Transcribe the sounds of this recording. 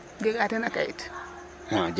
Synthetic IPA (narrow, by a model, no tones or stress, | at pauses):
d͡ʒeɡatanakajḭt | had͡ʒ